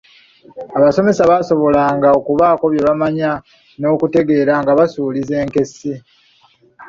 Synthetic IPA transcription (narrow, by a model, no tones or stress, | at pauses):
aβaso̞me̞saβaso̞βo̞laːŋɡaokuβaːko̞βjeβamaɲa | no̞ːkute̞ɡe̞ːɾaŋɡaβasuːlize̞ːŋke̞si